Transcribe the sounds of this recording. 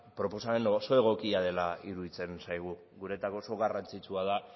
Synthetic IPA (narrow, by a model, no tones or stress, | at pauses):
pɾo̞po̞same̞nso̞e̞ɣ̞o̞kiað̞e̞laiɾuðit͡se̞nsajɣ̞u | ɣuɾe̞t̪akoso̞ɣarant͡sit͡suað̞a